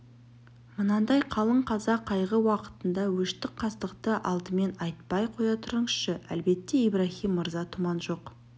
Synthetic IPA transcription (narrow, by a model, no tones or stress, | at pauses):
mənɑnd̪ɑjqʰɑlˠəɴqʰɑzɑqʰːɑjʁəwɑqə̥t̪ənd̪ɑwɵʃt̪ɪk̚qʰɑst̪əqt̪əʔɑlˠd̪əme̞nɑjt̪̚pɑjqʰo̞jɑt̪ʰʊɾəɴəsʃəæ̰lbe̞t̪ːe̞ibrɑxijmːəɾzɑt̪ʰʊmɑnʒo̞q